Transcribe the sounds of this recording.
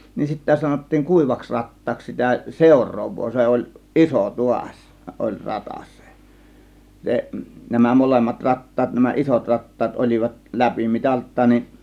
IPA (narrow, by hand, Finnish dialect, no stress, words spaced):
nin sitːæ sɑnotːiːŋ kuˑiʋɑks rɑtːɑːks sitæ seˑo̝rˑoːʋˑoː se olʲ iso tuɑsʲ olʲ rɑtɑs se se næmæ molemːɑt rɑtːɑːt næmæ ʔisot rɑtːɑːt olʲiʋɑt læpimitɑltˑɑːn nin